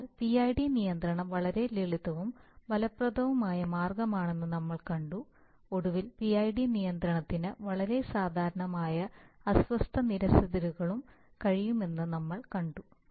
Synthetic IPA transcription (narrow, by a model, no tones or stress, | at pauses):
lpiajɖinijɐnd̪ɾɐɳɐmʋɐɭɐɾe̞liɭiðɐʋumbɐlɐprɐd̪ʱɐʋumaːjɐmaːrɡɐmaːɳe̞nːɨnɐmːɐɭkɐɳɖu | o̞ɽuʋilpiɐjɖinijɐnd̪ɾɐɳɐt̪ːinɨʋɐɭɐɾe̞saːd̪ʱaːɾɐɳɐmaːjɐɐsʋɐst̪ʰɐniɾɐsɐðɐɾuɣɐɭum | kɐɻijume̞nːɨnɐmːɐɭkɐɳɖu